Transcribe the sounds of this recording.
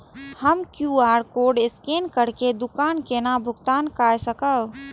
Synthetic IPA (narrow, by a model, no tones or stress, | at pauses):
həmkjuːaːɾkoːɖɪskeːnkəɽked̪ʊkaːnkeːnabʱʊɡt̪aːnkaːjsəkəw